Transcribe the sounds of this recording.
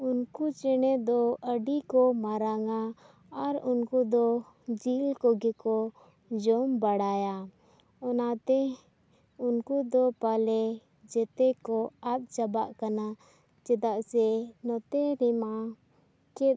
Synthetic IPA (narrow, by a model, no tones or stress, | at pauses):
unkut͡ʃɛnɛd̪ɔʔəɖikɔmaɾaŋaː | ɾunkud̪ɔ | d͡ʒilkɔɡɛkɔ | d͡ʒɔmbaɽaja | ɔnat̪ɛ | unkud̪ɔpalɛ | d͡ʒɛt̪ɛkɔat̪̚d͡ʒabaʔkana | t͡ʃɛd̪aʔsɛnɔt̪ɛɾɛma | kɛt̪̚